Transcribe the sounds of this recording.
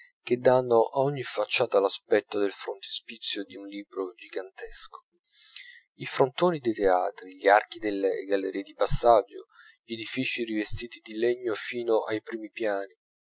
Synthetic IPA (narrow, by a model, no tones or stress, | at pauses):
k̟ed̪anːoʔaɔɲːifat͡ʃːaːt̪alaspɛt̪ːod̪elfɾont̪e̥spit̪sːjod̪iunliːbɾod͡ʒiɡant̪ɛsko̥ | ifɾont̪oːnid̪et̪ea̰ːt̪ɾiʎiark̟id̪elːḛɡalːeɾiːed̪ipasːad͡ʒːo | ʎed̪ifiːt͡ʃirivest̪iːt̪id̪ileɲːofiːnoʔajpɾiːmipjaːni